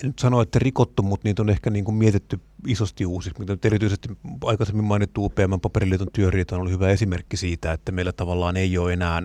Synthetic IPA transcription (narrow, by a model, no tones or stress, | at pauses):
nyt̪sɑnoet̪ːærikot̪ːummut̪niːt̪onehkæniːŋkummiet̪et̪ːyisost̪iuːsiksmit̪ænyt̪erit̪yisest̪iɑˑikɑsemːimmɑˑinit̪t̪ːuːpeæmːæmpɑperilːˑiːt̪ont̪yørˑiːt̪ɑnolːuhyʋæesimerkːisiːt̪æet̪ːæmeilæt̪ɑʋɑlːɑːneijoːenæːn